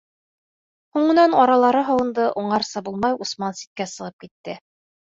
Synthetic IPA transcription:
huɴɤ̆nɑnɑɾɑlˠɑɾɤɦɑwɤ̆nd̪ɤʔuɴɑɾsɑbulˠmɑjusmɑnsi̥t̪̚kæsɤ̆ʁɤp̚kit̪ːɘ

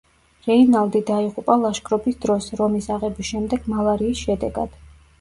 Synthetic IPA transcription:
ɾɛinalˠd̪id̪aiʁupʼalˠaʃkʼɾɔbisd̪ɾɔsɾɔmisaʁɛbisʃɛmd̪ɛɡ̥malˠaɾiːsʃɛd̪ɛɡa̰d̪̥

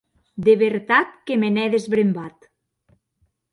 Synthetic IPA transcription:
d̪eβeɾt̪at̪̚kemenɛðezβɾembat̪

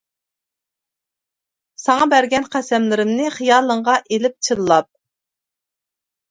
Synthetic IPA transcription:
sɑŋɑbæɾɡʲɛnqʰæsɛmlɪɾɪmnɪχijɑːlˠəɴʁɑʔelɪp̚t͡ʃʰɨlˠlˠɑp̚

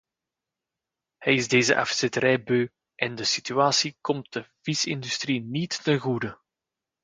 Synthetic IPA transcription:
hɛjɪzdeːzə̰ʔɑ̰fsɪtəɾɛjbøː | ʔɛndəsityaːsikɔmt̚d̥əv̥isɪndystrinitːənɣudə

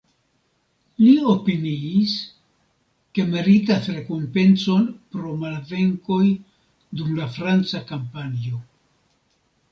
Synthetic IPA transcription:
liopiniːs | ke̞meɾitasɾe̞kompe̞nt͡so̞npɾo̞malve̞ŋko̞j | dumlafɾant͡sakampanio̞

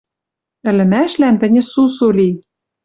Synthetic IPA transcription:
ɘ̆lɘ̆mæʃlænt̪ɘ̆nʲɘ̆susoli

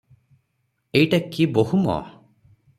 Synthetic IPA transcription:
ejʈakiboɦumɔ̰

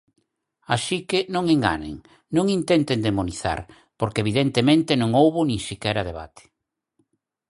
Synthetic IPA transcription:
asikɪnõŋeŋɡa̰nḛŋ | nõŋint̪ɛnt̪end̪emoniθa̰ɾ | poɾkeβ̞iðent̪emẽnt̪ɪnõŋowβʊnĩŋsikɛɾɐð̞eβa̰t̪e̥

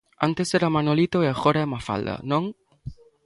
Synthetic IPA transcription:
a̰nt̪eseɾamanolit̪oeaxoɾaɛmafa̰ld̪ɐ̰nõŋ

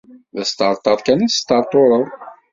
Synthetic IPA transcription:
ðæst̪əɾˤt̪ˤːɑɾˤkænæ̥st̪əɾˤt̪ˤoɾˤəðˤ

